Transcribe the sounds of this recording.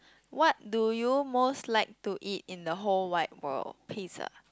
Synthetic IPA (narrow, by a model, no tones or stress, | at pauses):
wɔt̚dujumoslaɪk̚tuʔit̚ĩndəɦolwaɪt̚wə̰lpʰisə̰